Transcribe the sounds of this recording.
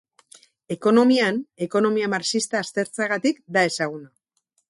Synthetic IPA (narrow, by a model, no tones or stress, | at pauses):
e̞ko̞no̞miane̞ko̞no̞miamaɾsist̪aːst̪e̞ɾt͡seaɣat̪ikd̪ae̞saɣ̞una